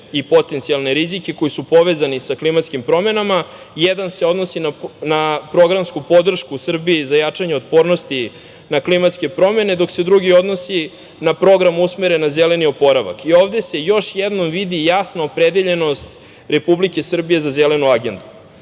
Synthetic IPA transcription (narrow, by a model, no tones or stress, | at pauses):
ipo̞t̪ent̪sialˠne̞ɾizike̞ko̞jisupo̞ʋeːzanisaklimat̪skimpɾo̞me̞nama | jed̪anseo̞d̪no̞sinanapɾo̞ɡɾamskupo̞d̪r̩ʃkusr̩biːzajat͡ʂaɲeot̪po̞ːɾno̞st̪i | naklimat̪ske̞pɾo̞me̞ne̞d̪o̞kse̞d̪ɾuɡio̞d̪nosi | napɾo̞ɡɾamusmeɾenːazele̞nio̞po̞ɾaʋa̰kio̞ːvd̪ese̞jo̞ʃjɛd̪no̞mʋid̪ijasnaopɾe̞d̪eʎe̞no̞st̪ | ɾe̞publike̞sr̩bije̞zazele̞nuaɡe̞nd̪u